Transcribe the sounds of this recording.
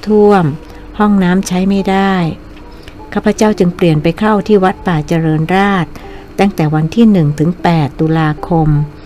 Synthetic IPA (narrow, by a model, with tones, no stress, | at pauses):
t̪ʰu˥˩əm | hɔ˥˩ŋnaː˦˥mt͡ɕʰa˦˥jma˥˩jdaː˥˩j | kʰaː˥˩pʰːa˧˦t͡ɕa˥˩wt͡ɕɯ˧ŋpli˨˩ənpa˧jkʰa˥˩wt̪ʰiː˥˩wa˦˥t̪̚paː˨˩t͡ɕa˧ɾɤː˧nɾaː˥˩t̪̚ː | aː˥˩ŋt̪ɛː˨˩wa˧nt̪ʰiː˥˩nɯ˨˩ŋt̪ʰɯ˩˦ŋpɛː˨˩t̪ːu˧laː˧kʰo˧m